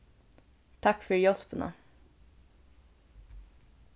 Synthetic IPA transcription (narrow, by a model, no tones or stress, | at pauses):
t̪ʰɑkfœɹjɔspənə̰